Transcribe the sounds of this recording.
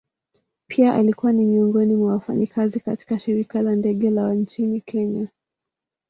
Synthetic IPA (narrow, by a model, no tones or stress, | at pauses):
pʰiaʔalikuwanimiɔŋɡɔnimwawafa̰ɲikʰazikati̥kaʃiɾikalandɛɠɛlawant͡ʃinikʰɛɲa